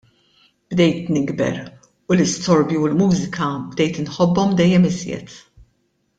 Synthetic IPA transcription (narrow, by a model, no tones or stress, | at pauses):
b̥d̪ɛjt̪nɪɡbɛ̰ɾ | ʊlɪst̪ɔɾbjiʊlmuːzɪkʰɐbd̪ɛjt̪ɪnħɔbːɔmd̪ɛjːɛmɪzjɛ̰t̪